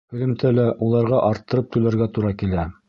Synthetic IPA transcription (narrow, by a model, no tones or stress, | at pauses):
hɵ̆ðɘ̆mt̪ʰælæʔulˠɑɾʁɑʔɑɾt̪ːɤ̆ɾɤp̚t̪ɵlæɾɡæt̪uɾɑkilæ